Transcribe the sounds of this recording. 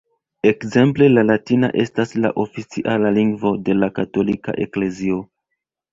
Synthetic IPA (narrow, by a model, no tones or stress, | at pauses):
e̞kze̞mple̞lalatina̰ʔe̞stasla̰ʔo̞fit͡siʔalaliŋɡvo̞de̞lakato̞lika̰ʔe̞kle̞zio̞